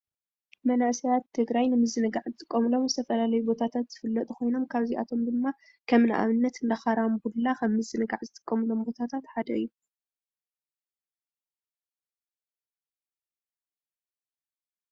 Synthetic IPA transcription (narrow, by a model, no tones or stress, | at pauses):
mɐnaʔsɐjat̪ʰːɨɡɾajnɨmɨzːɨnɨɡaʕzɨt̪ʼɨkʼːɐmɨlo̞mzɨt̪ʰɐfɐlalɐjubo̞t̪ʰat̪ʰat̪z̥ɨfɨlːɐt̪ʼuxʰo̞jno̞mkʰaβziʔa̰t̪ʰo̞md̪ɨmːa | kʰɐmna̰ʔa̰βɨnːɐt̪ɨnd̪ɐxaɾambullaxɐmːɨzɨnɨɡaʕzɨt̪ʼɨ̥kʼːɐmɨlo̞mbo̞t̪ʰat̪ʰat̪ħad̪ɐɨjːu